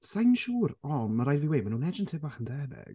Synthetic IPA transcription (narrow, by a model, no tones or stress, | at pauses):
sajnʃuːɾɔnmaɾajviweːmanuːnɛd͡ʒəntʰɪbaːχəndɛbɪ̰ɡ̥